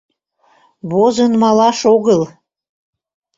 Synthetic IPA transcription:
βozənmɑlɑʃoɣəl

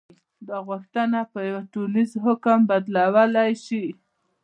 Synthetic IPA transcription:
d̪ɑɣʊxt̪ənapəjawaʈulizɦʊkəmbad̪lawəlajʃi

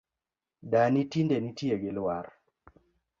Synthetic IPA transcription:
danitindenitjeɡɪlwar

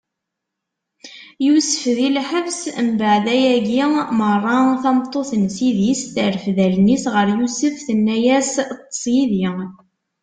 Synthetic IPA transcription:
jusə̥fðilħəvsəmbəʕðæjæɡimərˤːɑθɑmt̪ˤːoθənsiðisθəɾəfðælnisʁəɾjusəfθənːæjæst̪ˤːə̥sˤjiði

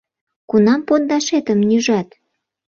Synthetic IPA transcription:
kunɑmpond̪ɑʃet̪əmnyʒɑt̪

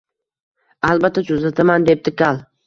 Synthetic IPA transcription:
alˠbat̪ʰːat͡ʃ̪ʰʊzat̪ʰamand̪e̞p̚t̪ɪkalˠ

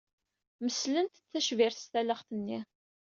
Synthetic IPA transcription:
məslənt̪ət͡sːæʃvɪɾθst̪æləχθənːi

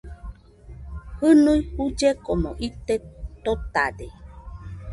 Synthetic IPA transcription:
hɨnuihud͡ʒekomoʔit̪et̪ot̪a̰de

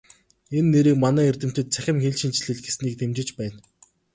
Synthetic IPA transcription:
enːeɾiːkmanæːerʲt̪ɘ̆m̥t̪ɘ̆t̪̚t͡sʰæxʲɪ̆mxeɮʃĭnt͡ɕɮɘ̆ɮɡesniːk̚t̪ʰemt͡ɕɪ̆t͡ɕpæːn

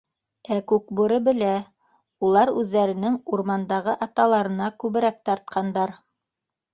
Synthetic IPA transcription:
ækʉkbuɾɤbɘ̆læ | ulˠɑɾʉðːæɾɘ̆nɘŋuɾmɑnd̪ɑʁɤʔɑt̪ɑlˠɑɾɤ̆nɑkʉβɘ̆ɾæk̚t̪ɑɾt̪̚qʰɑnd̪ɑɾ

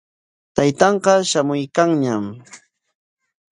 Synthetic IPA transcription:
t̪ajt̪ɑɴqɑʃamʊjkaŋɲam

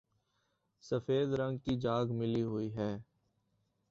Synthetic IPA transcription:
səfeːd̪ɾə̃ŋɡkid͡ʒaːɡmɪliɦʊiɦɛː

